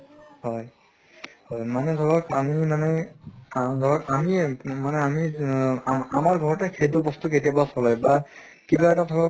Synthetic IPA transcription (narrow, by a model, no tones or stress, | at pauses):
hɔj | hɔjmanɛdʱɔɹɔkamimanɛ | dʱɔɹɔkamimanɛami | amaɹɡʱɔɹɔtakʰedɔbɔst̪uketijabasɔlajba | kibaɛtadʰʱɔɹɔk